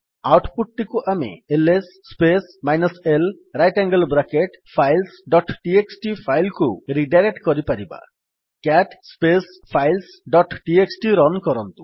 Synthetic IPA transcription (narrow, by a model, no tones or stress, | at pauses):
awʈpuʈ̚ʈikuʔamḛelesːpesmajnɔsel | ɾajʈaŋɡəlbɾakeʈ | pʰajlsɖɔʈʈieksʈipʰajlkuɾiɖaɾek̚ʈkɔɾipaɾiba̰ | kaʈspes | pʰajls | ɖɔʈʈieksʈiɾɔnkɔɾɔnt̪u̥